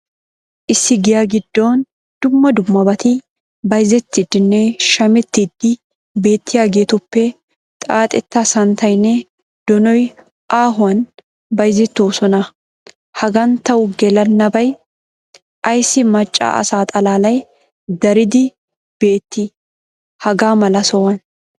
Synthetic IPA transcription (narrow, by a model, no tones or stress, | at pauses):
ʔɪsːɪɡɪjaːɡɪd̪ːo̞ːn | d̪̥ʊmːɐd̪ʊmːɐbɐt̪ɪ | bɐjzɛt̪ːid̪ːɪnːɛʃɐmɛt̪ːid̪ːɪ | be̞ːt̪ːɪjaːɡe̞ːt̪ʊpːɛ | t̪ʼaːt̪ʼɛt̪ːɐsɐnt̪ɐjnːɛ | d̪̥ɔnɔj | ʔaːɦʊwɐn | bɐjzɛt̪ːoːsɔnɐ | hɐɡɐnt̪ɐwʊɡɛlɐnːɐbɐj | ʔɐjsɪmɐt͡ʃʼːa̰ːʔɐ̰saːt̪ʼɐlaːlɐj | d̪ɐɾɪd̪ɪ | b̥e̞ːt̪ːɪ | hɐɡaːmɐlɐsɔwɐn